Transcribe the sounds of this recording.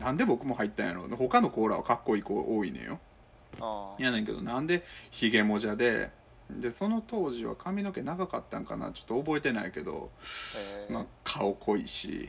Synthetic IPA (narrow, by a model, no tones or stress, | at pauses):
nãnd̪e̞bo̞kɯ̟mo̞hait̪ːã̰jaɾo̰ːneho̞kano̞ko̞ːɾaβa̰kakːo̞ikoːʔoːinḛ̃jʔo̰ | janẽŋke̞d̪o̞̰nãnd̪e̞çiɡe̞mo̞ʑad̪e̞̰ | d̪e̞so̞no̞t̪o̞ːʑiβa̰kʰamʲino̞ke̞naɡakat̪ːã̰ŋka̰na̰t͡ɕo̞̥t̪ːoːbo̞et̪e̞naike̞d̪o̞̰ | makʰaokʰo̞iɕḭ